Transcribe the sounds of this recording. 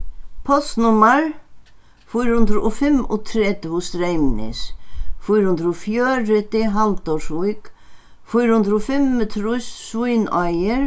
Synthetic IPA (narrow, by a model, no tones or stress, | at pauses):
pʰɔsnʊmaɹ | fujɾhʊnd̪ɾʊfɪmʊ̰t̪ʰɾɛt̪ʊst̪ɾejmnɪ̰sfujɾhʊnd̪ɾʊfjœːɾɪt̪ɪɦalt̪ɔʂvujk | fujɾhʊnd̪ɾʊfɪmət̪ʰɾujssujnajɪɾ